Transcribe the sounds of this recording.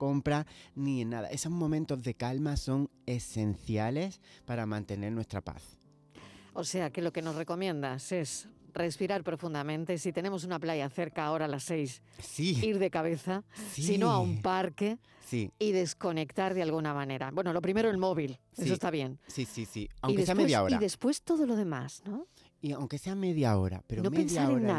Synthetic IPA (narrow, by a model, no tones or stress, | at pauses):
ko̞mpɾanienːaða̰ʔe̞so̞zmomẽnt̪ozðe̞kalmaso̞ŋe̞se̞n̟θjale̞spaɾamãnt̪e̞ne̞ɾnwe̞st̪ɾapa̰θ | o̞se̞ake̞lo̞ke̞no̞sre̞ko̞mjẽ̞nd̪ase̞sre̞spiɾaɾpɾo̞fund̪amẽnt̪e̞sit̪e̞ne̞mo̞s̬unaplaʝaθe̞ɾkaːo̞ɾalasːe̞js | siiɾðe̞kaβ̞e̞θasinoaumpaɾke̞ | siiðe̞sko̞ne̞kt̪aɾðealɣ̞unamane̞ɾa̰bwe̞nolo̞pɾime̞ɾoelmo̞βil | es̬ost̪aβ̞je̞nsisisiawiðkeesemejaoɾiðespwe̞st̪o̞ðo̞lo̞ð̞e̞ma̰zno | iawŋkeseameðjao̰ɾa̰peɾonopeðnssaɾena